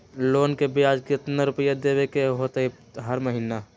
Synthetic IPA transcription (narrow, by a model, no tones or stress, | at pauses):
loːnkebiaːd͡ʒkit̪naɾʊpijad̪eːʋekeɦoːt̪ɦe | ɦəɾməɦiːna